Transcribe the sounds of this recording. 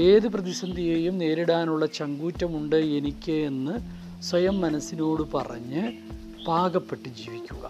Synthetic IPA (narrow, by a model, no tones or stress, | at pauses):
e̞ːðɨprɐðisɐnd̪ʱijeːjumne̞ːɾiɽaːnuɭːɐt͡ɕɐŋɡuːtːɐmuɳɖɨe̞nikʲːeenːɨ | swɐjɐmːɐnɐsːino̞ːɽɨpɐ̰rɐ̰ɲːɨ | b̥ʱaːɡɐpːe̞ʈːɨd͡ʑiːʋikʲːuɣɐ̰